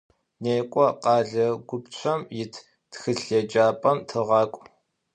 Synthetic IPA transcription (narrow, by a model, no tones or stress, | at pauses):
neːkʷʼɔqɑːɮɐɡʷʊpt͡ɕʷʰɐmjɪtʰ | txɨɬed͡ʒaːpʼɐmtʰɨʁɑːkʷʼ